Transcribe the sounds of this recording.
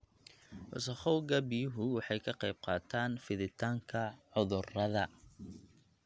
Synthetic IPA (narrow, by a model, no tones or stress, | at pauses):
ʔʊ̰sɐχɔwɡɐbɪjʊɦʊwɑħɑjkʰɐqɑjb̚qɑːt̪ʰaːnfɪðɪt̪ʰaːŋkʰɐʕʊðʊrɐðɐ